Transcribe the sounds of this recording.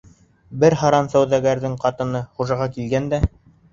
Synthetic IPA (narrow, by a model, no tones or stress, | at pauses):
bɘɾɦɑɾɑnsæwðæɡæɾðɘŋqɑt̪ɤ̆nɤχuʒɑʁɑkilɡænd̪æ